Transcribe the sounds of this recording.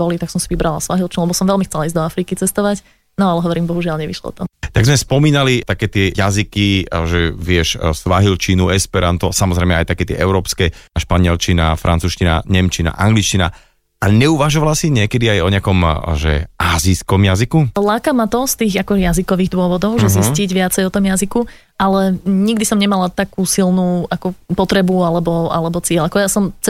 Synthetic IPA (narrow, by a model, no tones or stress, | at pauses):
bɔlit̪aksɔmsiʋibɾalasʋaɦilt͡ʃinulɛbɔsɔmʋɛlmixt͡sɛlaiːzd̪ɔafɾiːkit͡sɛst̪ɔʋac | nɔalɛɦɔʋɔɾiːmbɔɦuʒɪalɲɛʋiʃlɔ̰t̪ɔt̪aɡzmɛspɔmiːnalit̪akɛːt̪ɪɛjazikiʒɛʋɪɛʃsʋaɦilt͡ʃinuɛspɛɾant̪ɔsamɔzɾɛɪmɛa̰jt̪akɛːt̪ɪɛ̰ʔɛʊɾɔːpskɛʃpaɲɪɛlt͡ʃina̰fɾʔa̰nt͡suːʃcina̰ɲɛmt͡ʃina̰ʔaŋɡlit͡ʃcina̰ | aɲɛuʋaʒɔʋalasiɲɪɛkɛd̪iajɔɲɛakɔmʒɛ̰ʔaːziskɔmjazikulaːkamat̪ɔst̪iːɣakɔɛjazikɔʋiːɣd̪ʊɔʋɔd̪ɔʊʒɛzisciɟʋɪat͡sɛjɔt̪ɔmjaziku | alɛɲiɡd̪isɔmɲɛmalat̪akuːsilnuːakɔpɔt̪ɾɛbualɛbɔa̰lɛbɔt͡sɪɛʎakɔjasɔmt͡s